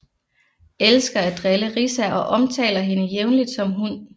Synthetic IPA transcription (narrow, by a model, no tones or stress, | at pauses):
elsɡ̥ɐæd̥ʁɛləʁisæʔɒ̽ʔɒ̽mt͡sʰɛ̰ːlɐɦe̝nəjeʊnlid̥sɒ̽mɦun